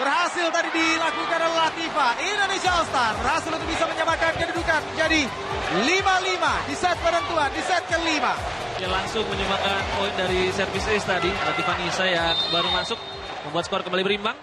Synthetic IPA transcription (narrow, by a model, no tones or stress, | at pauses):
bərɦasɪlt̪adidilakukanɔlat̪ifaʔindonesiaɔlst̪arhasɪlunuk̚bisaməɲamakankadidukanməd͡ʒadi | limalimadisɛt̪̚paɾant̪uɦandisɛt̪̚kəlima | kalaŋsʊŋməɲəmbakanpoindaɾisərfɪsest̪adilat̪ifanisajaŋbaɾumasʊk̚ | məmbuat̪skɔrkəmbalibəɾimbaŋ